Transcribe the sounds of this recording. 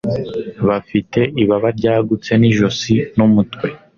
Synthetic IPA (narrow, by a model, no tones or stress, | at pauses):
βafite̞ʔiβaβaɾɟaːɡut͡se̞niʒo̞sinumutkwe̞